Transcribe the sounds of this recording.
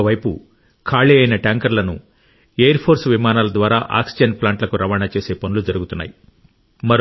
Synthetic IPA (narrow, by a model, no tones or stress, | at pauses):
ɐʋɐjpṵ | kʰaːɭiɐjnɐʈaːŋkɐɾlɐnṵ | ejɐɾpʰo̞ːɾsʋimaːnaːlɐd̪ʋaːɾaːʔa̰ːksid͡ʒɐnplaːɳʈlɐkuɾɐʋaːnat͡ʃe̞ːseːpɐnulud͡ʒɐɾuɡut̪unːa̰ːji | mɐɾ